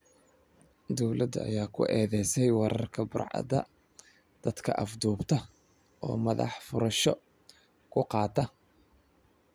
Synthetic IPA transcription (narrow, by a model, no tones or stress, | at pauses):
d̪ɔwlɐd̪ɐ̰jaːkʰʊ̰ʔɛːðɛjsɛjwɑɾɐrkʰɐbʊrʕɑ̰d̪ɐ̰ | d̪̥ɐd̪kʰɐ̰ʔɐfd̪uːbt̪ʰɐ | ʔɔ̰ːmɐðɑ̰ħfʊɾɐʃɔ | kʰʊqɑːt̪ʰɐ